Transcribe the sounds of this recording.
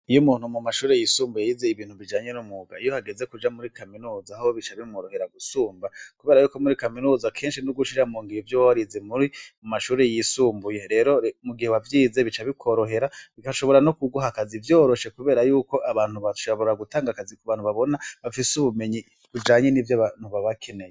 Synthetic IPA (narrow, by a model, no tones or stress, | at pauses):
ijomuːn̥humumaʃuːɾejisuːmbujejizeiβiːn̥huβid͡ʒaːɲe̞numuɡa̰ijo̞haɡe̞ze̞kud͡ʒamuɾikaminuzaːhoβit͡ʃaβimuɾo̞he̞ɾaɡusuːmbakuβe̞ːɾajuːko̞muɾikaminuːzakʰe̞ːnʃinuɡuʃiɾamuːŋɡiɾivjowawaɾizemuɾimumaʃuːɾe̞jisuːmbuje̞ɾe̞ːɾo̞muɡiheβavjiːze̞βit͡ʃaβikʰo̞ɾo̞ɦe̞ɾaβikaʃo̞βo̞ɾanokuɡuɦakazivjo̞ːɾo̞ʃe̞kuβe̞ːɾajuːko̞ʔaβaːn̥huβaʃaβo̞ɾaɡutaːŋɡakazikoβaːn̥huβaβo̞naβafisuβume̞ɲi | kud͡ʒaːɲe̞nivjaβanhuβaβakʰe̞ne̞je